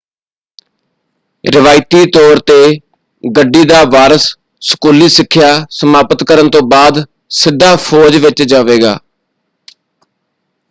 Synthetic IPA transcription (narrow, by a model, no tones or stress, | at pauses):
ɾɪʋaːɪt̪iːt̪ɔːɾt̪eː | ɡəɖːiːd̪aːʋaːɾəsː | ə̥kuːliːsɪkʰːjaːsəmaːpət̪kəɾənt̪õːbaːd̪ | sɪd̪ʱːaːpʰɔːd͡ʒʋɪt͡ʃd͡ʒaːʋeːɡa̰ː